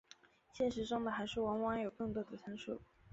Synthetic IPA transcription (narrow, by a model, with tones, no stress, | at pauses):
ɕjɛ˥˩nʂɻ̩˧˥ʈ͡ʂʊ˥ŋd̪ə˨˩xa˧˥ɪʂɻ̩˥˩wɑ˧˥nwɑ˧˥ŋjo˨˩ʊkɤ˥˩ŋt̪wɔ˥d̪ə˨t͡sʰə˧˥nʂṵ˥˩